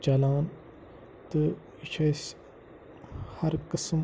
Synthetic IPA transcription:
d͡ʒɐlaːn | t̪ɨ | it͡ʃʰɐs | hɐɾkɨsm

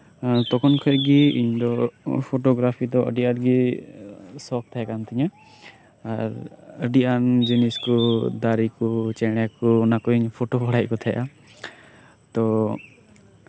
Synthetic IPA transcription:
t̪ɔkʰɔnkʰɔɡiḭɲd̪ɔpʰɔʈɔɡɾapʰid̪ɔə̰ɖiaɾɡi | sɔk̚t̪ʰajakant̪ʰɛɲa | aɾəɖiʔand͡ʒiniskɔd̪aɾikɔt͡ʃɛɽ̃ɛakɔnakɔiɲpʰɔʈɔbʱɔɽaj̚kɔt̪ʰajʔa̰ | t̪ɔ

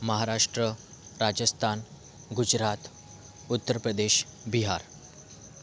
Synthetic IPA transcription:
məɦaɾaʂʈɾə | ɾad͡ʑəst̪ʰan | ɡud͡ʑɾat̪ | ut̪ːəɾpɾəd̪eɕbiɦaɾ

